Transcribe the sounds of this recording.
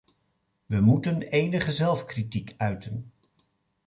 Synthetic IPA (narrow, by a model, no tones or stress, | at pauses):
ʋəmutənejnəχəzɛlˠfkritikœɥtən